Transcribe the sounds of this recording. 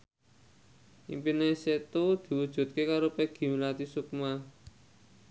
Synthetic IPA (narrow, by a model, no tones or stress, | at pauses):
ʔḭmpineset̪ud̪̥i̤wud̥ʒ̥ṳt̪̚kekaɾopeɡ̥i̤milat̪isuk̚ma